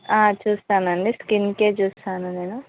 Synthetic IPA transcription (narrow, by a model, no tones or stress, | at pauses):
aːt͡ʃuːst̪aːnɐɳɖiskinke̞ːt͡ʃuːst̪aːnune̞ːnu